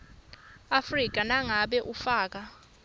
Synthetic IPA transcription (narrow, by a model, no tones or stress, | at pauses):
afrik̬ʼanaŋaɓɛʔufaːk̬a